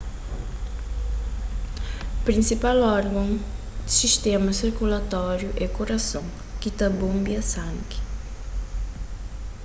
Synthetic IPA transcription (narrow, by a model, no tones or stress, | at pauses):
pɾĩnsipalɔɾɡɐ̃ŋ | d̪siʃt̪ɛmɐsiɾkulɐt̪ɔɾjuʔɛkoɾɐsõŋ | kit̪ɐbõmbiɐsãŋki̥